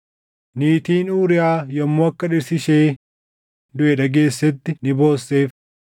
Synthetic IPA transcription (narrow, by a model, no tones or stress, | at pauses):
niːt̪iːnuːɾɪjaːjɐmːoːɐkːɐᶑɪɾsɪʃe̞ː | d̪ʊʔɛᶑɐɡe̞ːsːɛt̪ːɪnɪbo̞ːsːe̞ːf